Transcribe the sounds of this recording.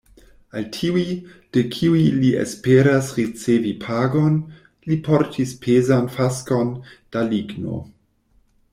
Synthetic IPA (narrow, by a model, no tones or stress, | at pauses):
altʰiuid̥ekʰiuiliḛspeɾasɾit͡sevipʰaːɡon | lipʰoɾtʰispʰezanfaskond̥aliɡno̰